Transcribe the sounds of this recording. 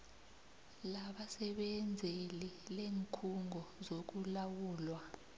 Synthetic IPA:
laɓasɛɓɛnd͡zʱelileːŋkʰuŋʱɔzok̬ulawuːlwa

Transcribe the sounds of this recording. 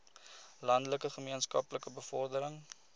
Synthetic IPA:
lɐndələkəχəmiənskɐpləkəbəfɔrdəɾəŋ

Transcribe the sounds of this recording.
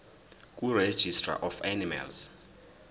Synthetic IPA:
k̬ʼured̥ʒ̥ʱistra̰ʔɔfanima̰lz̥

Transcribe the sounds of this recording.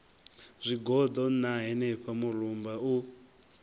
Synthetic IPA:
z̥ʷiɡɔd̪ɔnaɦɛnɛɸamurumbau

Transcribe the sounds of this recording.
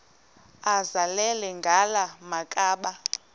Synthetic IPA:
azalɛlɛŋɡʱalamakʼaːɓa

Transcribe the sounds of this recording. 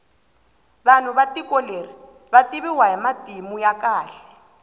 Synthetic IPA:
ban̤ʊβatikɔleri | batiβiwaimatimujakʼaːɬɛ̥

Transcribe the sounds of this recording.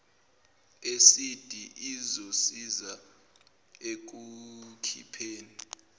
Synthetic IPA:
esid̥ʱiʔizosiza | ek̬ukʰḭpʰeːni

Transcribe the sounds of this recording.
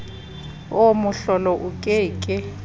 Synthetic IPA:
omʊɬɔlɔʔukʼɪːkʼɪ

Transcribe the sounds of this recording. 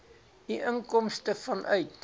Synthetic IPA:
diʔəŋkɔmstəfɐnʔœɥt

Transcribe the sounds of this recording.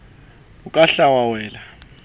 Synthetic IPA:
ukʼaɬawawɛːla

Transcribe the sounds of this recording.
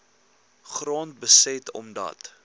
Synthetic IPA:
χrɑːnt̚bəsɛtɔ̰mdɐ̰t

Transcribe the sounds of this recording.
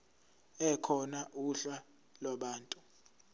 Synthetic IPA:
ɛkʰɔnaʔuɬa | laɓaːntʼu

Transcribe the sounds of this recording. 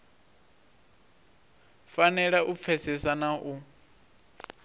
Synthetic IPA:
fanɛɺaʔup̪fʰɛsɛsanaʔu

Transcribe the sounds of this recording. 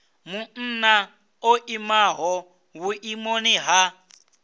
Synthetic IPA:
mun̩na | oʔimaɦɔ | wuʔimoniɦa

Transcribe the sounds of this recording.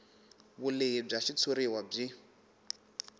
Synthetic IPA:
βuleib͡ʐaʃit͡sʰoɾiwab͡ʐi

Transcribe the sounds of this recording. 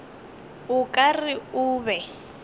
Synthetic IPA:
ʊkʼarɪʊːβɛ

